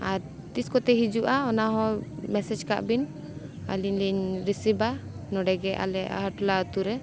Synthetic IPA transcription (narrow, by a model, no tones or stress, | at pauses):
aɾ | t̪iskɔt̪ɛɦid͡ʒuʔaɔnaɦɔ̃mɛsɛd͡ʒka̰ʔbin | a̰liɲliɲɾisiba | nɔɖɛɡɛʔa̰lɛʔa̰ɦaʈlat̪uɾɛ